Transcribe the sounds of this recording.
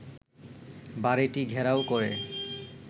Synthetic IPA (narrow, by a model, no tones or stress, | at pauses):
baɾeʈiɡʱɛɾaokoɾe